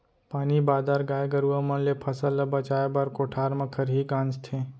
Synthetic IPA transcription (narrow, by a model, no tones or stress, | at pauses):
paːnibaːd̪aːɾɡaːjɡəɾuʋamɐnlepʰɐsəlɐbat͡ʃaːjbaːɾkoːʈʰaːɾmɐkʰəɾɦiːɡãːnst̪ʰẽː